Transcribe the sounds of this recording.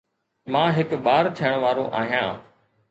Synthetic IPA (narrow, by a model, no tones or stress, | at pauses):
mãːɦɪkɓaːɾt̪ʰijəɽ̃ʋaːɾõːʔa̰ːɦijã̰ː